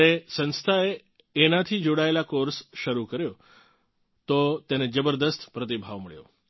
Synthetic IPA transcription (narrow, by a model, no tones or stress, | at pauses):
esə̃nst̪ʰaeː | nat̪ʰid͡ʒoɽaelakoɾsʃəɾukəɾjo | t̪ot̪ened͡ʒəbəɾd̪əst̪ʰpɾət̪̬ibʱaʋməɭjo̰